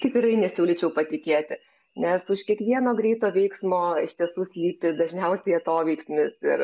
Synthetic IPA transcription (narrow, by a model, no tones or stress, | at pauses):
kɐɪkɪɾɐɪnʲɛsʲuːlʲɪt͡ʃʲɛʊpɐt̪ʲɪkʲeːt̪ʲɪ | nʲɛsʊʃkʲiɛkʋʲiɛnoːɡɾʲɛɪt̪oːʋʲɛɪksmoːɪʃʲt̪ʲiɛsuːsʲlʲiːpʲɪd̪ɐʒʲnʲɛʊsʲɛjɛt̪oːʋʲɛɪksʲmʲɪsɪɾ